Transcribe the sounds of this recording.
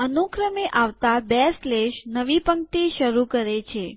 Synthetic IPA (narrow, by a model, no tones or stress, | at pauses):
ənukɾəmeʔaʋt̪abɛsleʃnəʋipəŋk̚ʈ̪iʃəɾukəɾet͡ʃʰe